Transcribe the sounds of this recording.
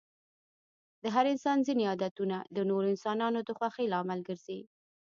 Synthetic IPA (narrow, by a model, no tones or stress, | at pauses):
d̪əɦaɾɪnsɑnzineɑd̪at̪unad̪ənoɾoɪnsɑnɑnod̪əxwaxelɑmalɡəɾz̥i